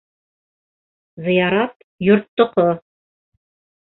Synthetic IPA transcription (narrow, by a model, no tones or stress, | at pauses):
zɤ̆jɑɾɑt̪ | jŏɾt̪ːŏqo